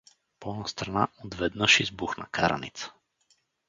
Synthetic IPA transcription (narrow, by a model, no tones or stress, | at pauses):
pɔɔnast̪ɾanaod̪vɛd̪nəʃizbuxna̰kaɾa̰nit̪sə̥